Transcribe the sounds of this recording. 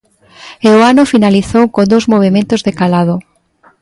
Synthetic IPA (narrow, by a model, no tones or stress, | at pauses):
eoanʊfinaliθowkond̪owzmoβ̞emẽnt̪ʊzðekalað̞ʊ